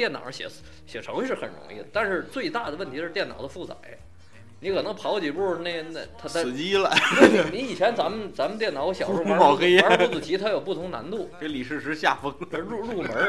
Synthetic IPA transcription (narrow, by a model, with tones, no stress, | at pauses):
t̪jɛ˥˩nɑ̰˨˩ɕjɛ̰˧˩ | ɕjɛ˨˩ʈ͡ʂʰɤ˧˥ŋ˧ʂɻ̩˥˩xə˨˩nɻʊ̰˧˥ŋḭ˥˩d̪ə˩t̪a˥˧nʂɻ̩˥˧t͡swe˥˧ɪt̪a˥˩d̪ə˩wə˥˩nt̪ʰi˧˥ʂɻ̩˥˧t̪jɛ˥˩nɑ̰˨˩ʊd̪ə˦fu˥˩t͡sa̰˨˩˦ɪ | ni˧˥kʰɤ˨˩nɤ˧˥ŋpʰɑ˧˥ʊt͡ɕi˨˥˩pu˧˥ʂɻ̩˥˧ne˥˧ne˥˧t̪ʰa˥˩˨t͡ɕi˥lə˨we˥˩ni˧˥i˨˩t͡ɕʰjɛ˧˥nt͡sa˧˥mə˨nt͡sa˧˥mə˧nt̪jɛ˥˩nɑ˧˥ʊɕjɑ˨˩u˥mɑ˨˩ʊ˥xe˥ɪɛ˞˧˥pu˥˩t͡st͡sɹ̩˨˩t̪ʰi˧˥t̪ʰa˥jo˨˩ʊpu˥˩ʊ˧˥ŋna̰˧˥nt̪u˥˩e˧˥ɪli˨˩ʂɻ̩˥˩ʂɻ̩˧˥ɕja˥˩fɤ˥ŋ˧ɻu˥˧ɻu˥˩mə˧˥